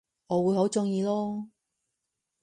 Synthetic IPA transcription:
ɔː˨˧wuː˨˧jɦo˨˥wt͡sʊ˥ŋjiː˧lɔː˥

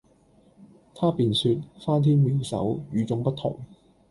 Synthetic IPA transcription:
t̪ʰaː˥piː˨nsyː˧t̚faː˥nt̪ʰiː˥nmiː˨˧wsɐ̰˨˥wjyː˨˧t͡sʊ˧ŋpɐ˥t̪̚ʰʊ̰˨˩ŋ

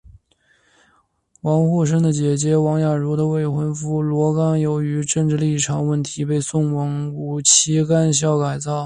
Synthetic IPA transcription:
wɑ˧˥ŋxu˥˩ʂ̬ə˥ŋd̪ə˨t͡ɕjɛ˨˩t͡ɕjɛ˧˥wɑ˧˥ŋja˨˩ɻu˧˥d̪ə˧we˥˩ɪxwə˧˥nfu˥lwɔ˧˥kɑ˥ŋjo˧˥ʊy˧˥ʈ͡ʂɤ˥˧ŋʈ͡ʂɻ̩˥˧li˥˩ʈ͡ʂʰɑ˧˨˥ŋwə˥˩nt̪ʰi˧˥pe˥˧ɪsʊ˥˩ŋwɑ˧˥ŋu˨˩t͡ɕʰi˧˥ka˥nɕ̬jɑ˥˩ʊka˨˩ɪt͡sɑ˥˩ʊ

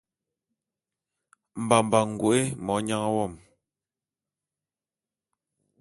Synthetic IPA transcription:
m̩˨ba˨m̩˨ba˨ŋ̩˨ɡwu˨ʔe˦mɔ˨˦ɲa˦ŋ˦wɔ˦˨m

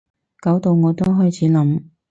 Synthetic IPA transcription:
kɐ˨˥wt̪o˨˧wŋɔː˨˧t̪o˥wɦɔː˥jt͡sʰiː˨˥lɐ˨˥m

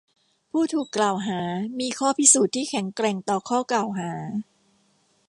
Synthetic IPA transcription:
pʰuː˥˩t̪ʰuː˨˩kːlaː˨˩wɦaː˩˦miː˧kʰɔː˥˩pʰi˦˥suː˨˩t̪ʰːiː˥˩kʰɛ˨˩˦ŋkɾɛː˧ŋt̪ɔː˨˩kʰɔː˥˩klaː˨˩wɦaː˩˦

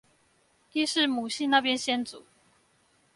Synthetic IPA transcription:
i˥ʂɻ̩˥˩mu˨˩ɕi˥˧na˥˨˩pjɛ˥˦nɕjɛ˥nt͡sṵ˨˩˦

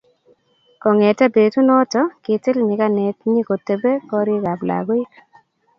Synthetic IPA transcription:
kɔ˨ŋɛ˨tɛ˦be˨tu˦nɔ˦tɔ˨˦kɪ˨tɪ˦lɲɪ˨ka˦nɛ˨tɲi˦ko˨te˨be˦kɔ˦ɾi˦ka˨bla̰˨ɡʊ˦j

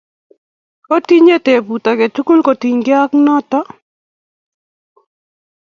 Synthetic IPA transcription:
o˦ti˦ɲe˦te˨pu˨t̪a˨ke˨t͡ʃu˦ku˦lko˨ti˨ɲɡɪ˦a˦knɔ˦tɔ˦

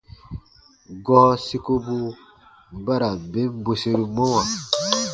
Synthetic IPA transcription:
ɡɔ˦si˦ko˦bu˦ | ba˦ɾa˨be˦m˦bo˨se˦ɾi˦mo˦ma˨

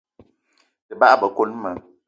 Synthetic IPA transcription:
tɨ˨ba˦ʔa˦bə˨ko˦lmə˨˦

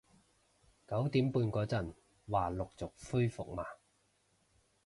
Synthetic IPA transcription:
kɐ˨˥wt̪iː˨˥mpuː˧nkɔː˨˥t͡sɐ˨˩n | waː˨˩lʊ˨k̚t͡sʊ˨k̚fuː˥jfʊ̰˨k̚maː˨˩

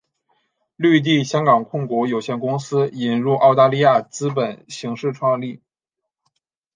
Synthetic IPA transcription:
ly˥˧t̪̬i˥˩ɕjɑ˥ŋkɑ˨˩ŋkʰʊ˥˩ŋkwɔ˧˥jo˨˩ʊɕjɛ˥˩nkʊ˥ŋsɹ̩˥i˨˩nɻu˥˧ʔɑ˥˧ʊt̪a˥˧li˥˧ja˥˩t͡sɹ̩˥p̬ə˨˩nɕi˧˥ŋʂɻ̩˥˧ʈ͡ʂʰwɑ˥˧ŋli˥˩

